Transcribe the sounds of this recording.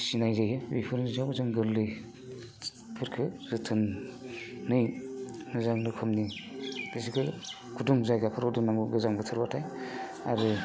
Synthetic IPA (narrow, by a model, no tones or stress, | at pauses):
sinajzajɯbipʰɯɾnizabɯzaŋɡɯllɯj | pʰɯɾkʰɯzɯtʰɯnː | ɯjnɯzaŋnɯkʰɯmnid̥is̬ikʰɯ | ɡʰuduŋzajɡapʰɯɾudunːaŋbuɡɯzaŋbɯtʰɯɾbatʰaj | aɾɯ